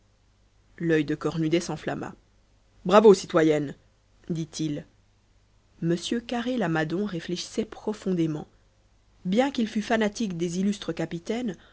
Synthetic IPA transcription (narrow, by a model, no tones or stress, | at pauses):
lœjd̪əkɔʁnyd̪ɛsɑ̃fla̰ma̰ | bʁavosit̪wajɛn | d̪it̪ʰil | məsjøkaʁelamad̪ɔ̃ʁefleʃi̥sɛpχɔfɔ̃d̪emɑ̰̃ | bjɛ̃kilfyfanat̪ikd̪ezilyst̪χəkapit̪ɛn